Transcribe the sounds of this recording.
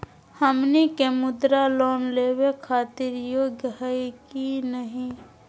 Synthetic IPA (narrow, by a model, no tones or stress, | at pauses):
həmnikemʊd̪ɾaloːnleːwekʰaːt̪ɪɾjoːɡjəɦəkinəɦĩ